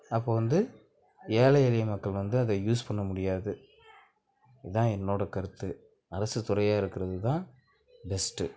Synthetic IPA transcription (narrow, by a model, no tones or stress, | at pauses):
ɐpːoːʋɐnd̪ɯ | eːlɐɛlɪjɐmɐkːɐɭʋɐnd̪ɯɐðɐjuːspɐɳːɐmʊɽɪjaːðɯ | ɪðãːɛnːoːɽɐkɐɾɯt̪ːɯ | ɐɾɐsɯt̪ʊɾɐjaːɪɾɯkːɪɾɐðɯt̪ãː | bɛsʈɯ